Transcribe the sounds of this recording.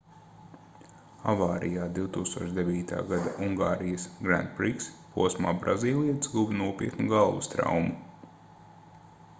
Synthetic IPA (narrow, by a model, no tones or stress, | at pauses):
avaːɾijaːd̪iwt̪uːkst̪uɔʃd̪evʲiːt̪a̰ːɡad̪aʔuŋɡaːɾijasɡɾæ̰nd̪pɾikspuɔsma̰ːbɾʔa̰ziːlˠiɛt̪sɡubnuɔpʲḭəkt̪nuɡalˠʋṵst̪ɾa̰wmu